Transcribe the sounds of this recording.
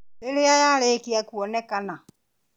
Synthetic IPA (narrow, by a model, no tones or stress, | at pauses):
leleajalekiakuɔnɛkanã